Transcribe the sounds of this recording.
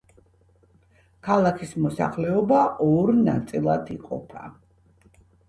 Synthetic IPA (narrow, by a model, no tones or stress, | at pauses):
kʰalˠakʰismɔsa̰χlɛɔbaʔɔɾna̰t̪sʼilˠad̪ʰḭqʼɔ̰pʰa̰